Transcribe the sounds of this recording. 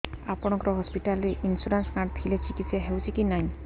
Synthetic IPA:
apɔɽ̃ɔkɔɾɔɦɔspiʈaliʔinsuɾansmaʈ̚pʰilet͡ʃikit̪seɦewt͡ʃʰikinaĩ

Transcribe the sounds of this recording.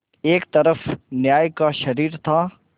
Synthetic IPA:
eːkt̪ɐɾəfnjaːjkaʃɐɾiːɾt̪ʰa

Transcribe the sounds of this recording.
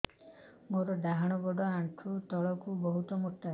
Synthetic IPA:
moɾɔɖaɦaɽ̃ɔbɔɖɔaɳʈʰut̪ɔɭɔkubɔɦut̪ɔmoʈːa

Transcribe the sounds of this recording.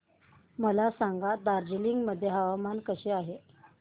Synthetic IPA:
məlasaŋɡad̪aɾd͡ʑiliŋɡməd̪ʱːjeɦaʋamankəɕeaɦe

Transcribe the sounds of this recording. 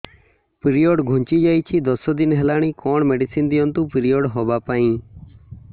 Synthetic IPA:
pɾiɔɖɡʱũnt͡ʃid͡ʒajt͡ʃʰid̪ɔsɔd̪inɦɛlaɽ̃ikɔɳmeɖisind̪ijɔnt̪ũpɾijɔɖɦɔbapaĩ

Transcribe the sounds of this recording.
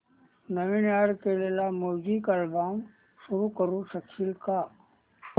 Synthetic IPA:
nəminaːɾkelelamoːd͡ʒikɐlbaːm | ʃʊɾukəɾusəkʰilka

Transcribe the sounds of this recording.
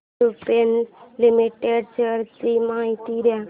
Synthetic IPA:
upenlimiʈeɖt͡ʃəɾtimãit̪iɾja

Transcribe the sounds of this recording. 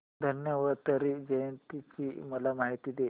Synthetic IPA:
d̪ʱənjəʋaɾt̪əɾid͡ʑəjənt̪it͡ɕiməlamaɦit̪iːd̪e

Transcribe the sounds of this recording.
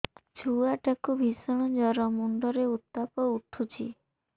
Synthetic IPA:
t͡ʃʰuaʈakubʱisɔɽ̃ɔ̃d͡ʒɔɾɔmuɳɖɔɾeut̪ːapɔuʈʰut͡ʃʰḭ

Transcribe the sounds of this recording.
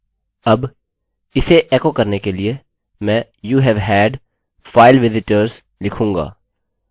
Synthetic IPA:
ɐb | ɪseʔeːkokɐɾnekelie | mɛ̃ːjuːɦɛʋɦɛːɖ | faːɪlʋɪzɪʈəɾz | lɪkʰũːŋɡa̰ː

